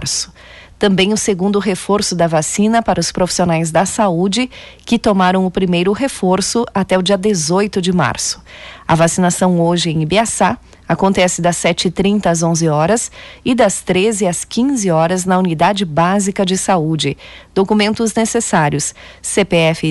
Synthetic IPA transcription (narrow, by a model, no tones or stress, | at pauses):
ɾsʊ̥ | t̪ɐ̃mbẽj̃ʊseɡũnd̪ʊɦefoɾsʊd̪ɐvasĩnɐpaɾɐʊspɾofi̥sionajzd̪ɐsaud͡ʒɪkɪt̪omaɾɐ̃w̃ʊpɾimejɾʊɦefoɾsʊat̪ɛʊd͡ʒiɐd̪ezojt̪ʊd͡ʒɪma̰ɾsʊ̥ɐ̰vasinasɐ̃w̃oʒɪẽj̃beasa | akõnt̪ɛsɪd̪ɐsːɛt͡ʃɪɪt̪ɾĩnt̪ɐːzõzɪɔɾɐsɪd̪ɐst̪ɾezɪɐskĩzɪɔɾɐznɐunid̪ad͡ʒɪbazikɐd͡ʒɪsaud͡ʒɪd̪̥okumẽnt̪ʊznesesaɾjʊsːepeɛfɪ